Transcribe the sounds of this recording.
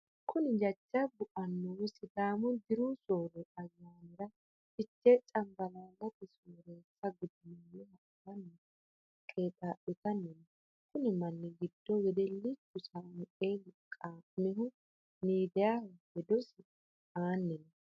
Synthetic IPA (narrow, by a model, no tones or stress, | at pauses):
kʰʊnɪd͡ʒɐt͡ʃːɐbʊʔɐnːɔwsɪd̪aːmʊd̪ɪɾʊsoːɾɛɐzːaːnɪɾɐ | t͡ʃɪt͡ʃːet͡ʃʼɐmbɐlaːlːɐt̪ɛsuːɾeːt͡sːɐɡʊd̪ɪnɐnːɛhɐʔt̪ɐnːɛ | kʼeːt̪ʼaːʔɪt̪ɐnːɛnɔ | kʊnɪmɐnːɪɡɪd̪̥ːɔɡɛd̪ɛlːɪt͡ʃːʊsamʊʔelkʼaːmɪɦʊ | niːd̪ɛjahʊhɛd̪ɔsɪ | aːnːɛnɔ